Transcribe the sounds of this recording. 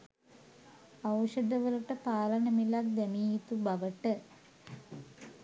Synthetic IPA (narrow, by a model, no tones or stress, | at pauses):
awʂəd̪əʋəluʈəpaːlənəmilak̚d̪æmiːɦit̪ubaʋəʈə